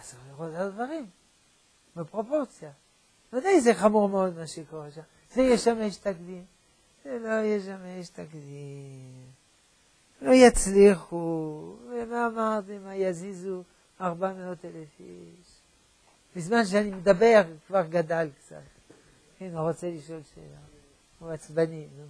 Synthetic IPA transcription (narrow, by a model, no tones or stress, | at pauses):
asaʁliʁot̪ad̪vaʁim | bapʁo̞po̞ʁt͡sja | nod̪aizeχamuʁmeo̞d̪maʃekoʁeʃam | zejeʃameʃt̪akd̪im | zelo̞jeʃ̬ameʃt̪akdim | lo̞jat͡sliχuvemaːmaʁt̪imajazizu | aʁbameo̞t̪elefi | ʃ | bizmanʃ̬eanimed̪abe̞ʁkvaʁɡad̪alkt͡sa̰t̪ | kiniʁo̞t͡seliʃo̞lʃḛla | uat͡sbaninu